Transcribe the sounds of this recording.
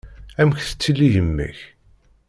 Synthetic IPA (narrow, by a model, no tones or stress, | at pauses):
æmçθə̥t͡sːilːijəmːḭç